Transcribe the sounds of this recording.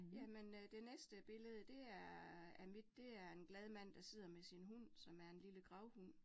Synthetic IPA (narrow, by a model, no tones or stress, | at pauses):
jæmend̥e̝nesd̥əb̥e̝ləð̞ˠd̥e̝æɐæmid̥ːe̝æɐe̝nɡ̥lɛð̞ˠmæn̰d̥ɑ̈se̝ð̰ˠɐmesinɦun̰sɒ̽mæɐe̝nliləɡ̥ʁɑ̈ʊhun̰